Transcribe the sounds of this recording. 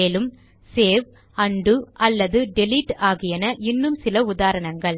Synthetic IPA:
eːlɯm | seːʋ | ɐɳɖɯʔɐlːɐðɯɖɛlɪʈːaːɣɪjɐnɐʔɪnːɯmsɪlɐʊðaːɾɐɳɐŋɡɐɭ

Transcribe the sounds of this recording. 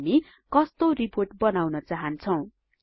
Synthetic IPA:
mi | kʌst̪oriporʈbʌnawnʌt͡saɦʌnt͡sʰʌw̃

